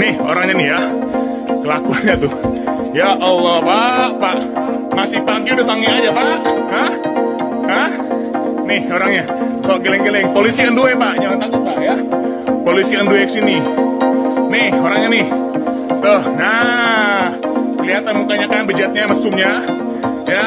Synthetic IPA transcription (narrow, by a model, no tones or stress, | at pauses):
nɪho̰ɾaŋɲanɪhja | kəlakuanɲat̪ʊ | jaʔɔlːɔpaʔpaʔ | masɪhpaŋkiudahsaŋiad͡ʒapaʔhəh | həh | nɪhoɾaŋɲa | toʔɡelɛŋɡelɛŋpolisiənduepaʔɲamant̪akʊt̪̚paʔja | polisiənduɛkəsini | nɪhoɾaŋɲanɪh | t̪ʊhna | kəliɦat̪anmukaɲakanbəd͡ʒat̪̚ɲaməsʊmɲa | ja